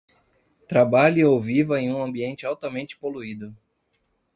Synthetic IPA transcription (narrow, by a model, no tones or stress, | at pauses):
t̪ɾabaʎʊowvivɐẽj̃ũɐ̃mbiẽnt͡ʃɪawt̪ɐmẽnt͡ʃɪ̥poluid̪ʊ